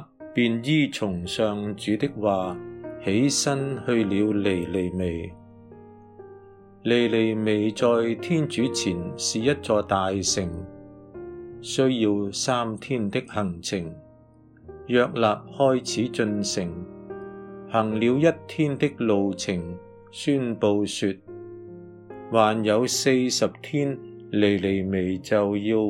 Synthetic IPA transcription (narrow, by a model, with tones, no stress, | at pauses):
piː˨˧njiː˥t͡sʰʊ˨˩ŋsœː˨ŋt͡ʃyː˨˧˥t̪ɪ˥k̚waː˨he˨˥jsɐ˥nhɵ˧ɥliː˨˧wle˨˩jle˨jme˨˩j | le˨˩jle˨˩jme˨jt͡sɔː˨jt̪ʰiː˥nt͡ʃyː˨˥t͡sʰiː˨˩nsiː˨jɐ˥t̚t͡sɔː˧t̪aː˨jsɪ˨ŋ | sɵ˥ɥjiː˧wsaː˥mt̪ʰiː˥nt̪ɪ˥k̚hɐ˨˩ŋt͡sʰɪ˨˩ŋ | jœː˧k̚laː˨p̚hɔː˥jt͡sʰiː˨˥t͡ʃɵ˧nsɪ˨˩ŋ | hɐ˨˩ŋli˨˧wjɐ˥tt̪ʰiː˥nt̪ɪ˥k̚lo˨wt͡sʰɪ˨˩ŋ | syː˥npo˧wsyː˧t̚ | waː˨˩njɐ˨˧wse˧jsɐ˨p̚t̪ʰiː˥n | le˨˩jle˨˩jme˨˩jt͡sɐ˨wjiː˧w